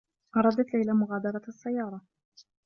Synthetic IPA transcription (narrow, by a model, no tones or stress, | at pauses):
ʔɑɾˤɑd̪at̪lajlamʊɣaːd̪ɑɾˤɑɑsːajːɑːɾˤɑ